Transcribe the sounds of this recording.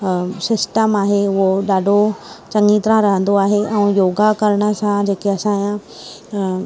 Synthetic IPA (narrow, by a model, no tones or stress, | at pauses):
sɪsʈəmaːɦeʊɦoɗaːɖʱot͡ɕɐŋiːt̪ɾãɾɐɦə̃nd̪oaːɦeʔɛ̃ːjoːɡakɐɾɽ̃ə̆sãd͡ʑeːkeɐsãjã